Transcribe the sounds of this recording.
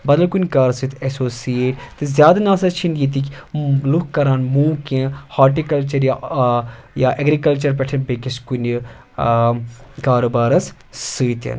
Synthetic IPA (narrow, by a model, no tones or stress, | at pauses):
bɐd̪ɐlkunʲkaːɾsɨt̪ʰɛsoːsieːʈt̪ezjaːd̪ɐnaːsɐt͡ʃʰinɡit̪̬iklukkːɐɾaːnmũːkãhaːʈ̬ikɐlt͡ʃɐɾja | jaːʔeɡɾikɐlt͡ʃɐɾpɛʈʰɐnbekiskunʲ | kaːɾoːbaːɾɐs | sɨːt̪ɐ̰n